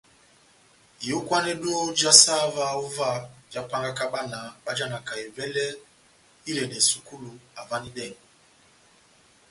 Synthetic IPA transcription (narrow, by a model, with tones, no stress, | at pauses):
i˨jo˦kwa˦nɛ˦ɗo˦d͡ʒa˦sa˦va˦u˦va˦˨d͡ʒa˦pa˦ŋɡa˦ka˦ɓa˦na˨ɓa˦d͡ʒa˦na˨ka˨ɛ˨vɛ˦lɛ˦ | i˦lɛ˨nɛ˨su˨ku˦lu˨a˨va˦ni˦dɛ˦˨ŋ˨